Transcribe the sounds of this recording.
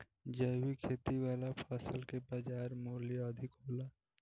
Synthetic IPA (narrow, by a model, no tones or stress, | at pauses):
d͡ʒəwikʰeːt̪iwaːlapʰaːsəlkepad͡ʒaːɾmoːliəd̪ʱɪkɦoːlaː